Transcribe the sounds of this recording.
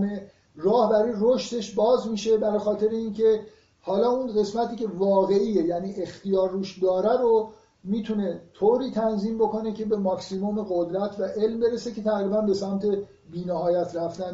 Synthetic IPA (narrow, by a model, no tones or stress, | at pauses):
me | rɒːhbæɾijɾoʃt̪e̞ʃbɒːzmiːʃe̞bæɾɒxɒːt̪ʰe̞ɾeiːncʰe̞ | hɒːlɒːunɢe̞smæt̪ʰiːcʰe̞vɒːɣe̞iːejæniːʔext̪ijɒːɾːuːʃd̪ɒːɾæɾo | miːt̪ʰune̞t̪ʰoːɾiːt̪ʰænziːmboko̞ne̞cʰe̞be̞mɒksimome̞ɣod̪ɾæt̪ʰvæʔe̞lmbe̞ɾesecʰe̞t̪ʰæɣɾiːbænbe̞sæmt̪ʰe̞ | biːnæhɒːjæt̪ʰɾæft̪æn